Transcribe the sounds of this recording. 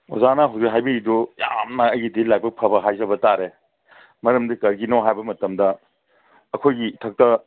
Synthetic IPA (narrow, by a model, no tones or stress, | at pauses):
ozanɐɦɐwzeɦajbiɡidujamnɐɐjɡidilak̚bɐk̚pʰɐbɐɦajzɐbɐtaɾe | mɐɾɐmdikɐɾɡinɔɦajbɐmɐtɐmdɐː | kʰojɡitʰɐk̚tɐ